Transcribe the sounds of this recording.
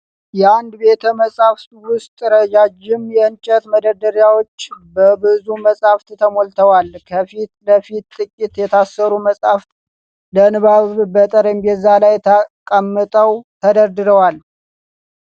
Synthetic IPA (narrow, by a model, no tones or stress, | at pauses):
jɛand̪be̞t̪ʰəməsʼaft̪wʊst̪ʼɾəd͡ʒad͡ʒɪmjɛɨnt͡ʃʼət̪məd̪əɾd̪əɾjawo̞t͡ʃːbəbɨzuməsʼhaft̪t̪ʰəmolt̪ʰəwalkʰəfit̪ləfit̪ːʼɨkʼːit̪jɛt̪ʰasːəɾuməsʼaft̪ | lənɨβaβbət̪ʼəɾəɲbɛzalajt̪ʰəkʼəmːɨt̪ʼəwt̪ʰəd̪əɾd̪ɨɾəwal